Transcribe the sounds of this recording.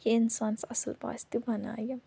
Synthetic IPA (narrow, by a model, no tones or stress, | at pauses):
kiɪnsaːnsɐsəlpa̰ːst̪ibɐna̰ːjɐ